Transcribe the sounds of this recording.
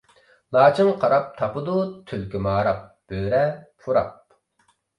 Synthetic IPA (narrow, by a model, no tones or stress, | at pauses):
lˠɑːt͡ʃʰɨŋqʰɑɾɑp̚t̪ʰɑpɨd̪ut̪ʰylkʲimɑːɾɑp̚ | b̥øːɾɛpʰuɾɑ̰p̚